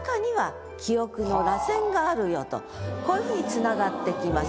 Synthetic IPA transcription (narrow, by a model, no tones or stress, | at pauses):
kaɲ̟iβa | kʲʰio̞kɯ̟no̞ɾasẽ̞ŋɡaːɾɯ̟jo̞t̪o̞̰ | ko̞ːjɯ̟ɸɯ̟ːɲ̟it͡sɨnaɡat̪ːe̞kʲimas